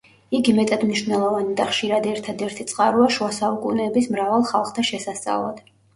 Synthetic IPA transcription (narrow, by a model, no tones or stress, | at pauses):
iɡimɛt̪ʼad̪mniʃvwnɛlˠɔvanid̪aχʃiɾad̪ɛɾt̪ʰad̪ɛɾt̪ʰit̪sʼqʼaɾuaʃuasaukʼṵnɛːbismɾavalˠχalˠχt̪ʰaʃɛsast̪sʼa̰vlˠa̰d̪̥